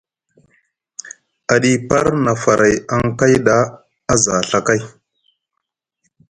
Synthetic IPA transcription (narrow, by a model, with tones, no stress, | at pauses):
a˨ɗi˦pa˦ɾna˨fa˨ɾʔa˨ja˦ŋka˦jɗa˦ | a˦za˨ɬa˨ka˦j